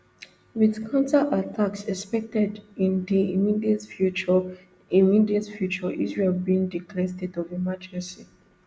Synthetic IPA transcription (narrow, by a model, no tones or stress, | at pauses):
wiðkʰãntaʔatʰaksɛspɛk̚tɛdĩndiimidiɛtfut͡ʃɔ | imidiətfjut͡ʃɔʔḭzɹelbiĩŋdikʰlɛstɛdɔvimad͡ʒɛ̃si